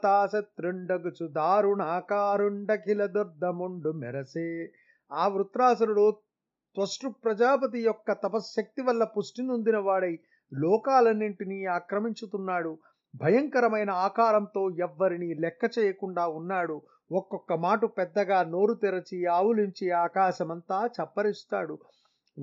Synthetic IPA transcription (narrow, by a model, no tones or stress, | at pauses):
t̪aːsɐt̪ɾeɳɖɐɡut͡ʃud̪aːɾuɳaːkaːɾuɳɖɐkilɐd̪ɐɾd̪ːɐmuɳɖumɛ̰ɾɐseː | aːʋɾut̪ɾaːs̬ɐɾuɽu | t̪ʋɐsʈupɾɐd͡ʒaːpɐt̪̬ijɔkːɐt̪ɐpɐsʃɐk̚t̪iʋɐlːɐpusʈinund̪inɐʋaːɽɐj | lɔːkaːlɐnːiɳʈiniːaːkɾɐmiɲt͡ʃut̪unːaːɽu | bʱɐjɐŋkɐɾɐmɐjnɐaːkaːɾɐnt̪o̞ːɛʋːɐɾiniːlɛkːɐt͡ʃɛːjɐkuɳɖaːunːaːɽu | ɔkːɔkːɐmaːʈupɛd̪ːɐɡaːno̞ːɾut̪iɾɐt͡ʃiaːʋuliɲt͡ʃiaːkaːʃɐmɐnt̪aːt͡ʃɐpːɐɾist̪a̰ːɽu